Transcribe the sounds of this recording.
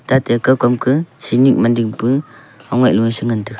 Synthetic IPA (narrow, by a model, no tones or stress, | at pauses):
d̥atekɯkɔmkʰɯsinik̚mandiŋpɯ | ɔŋɔjʔ̚luŋsɯŋɯntɯk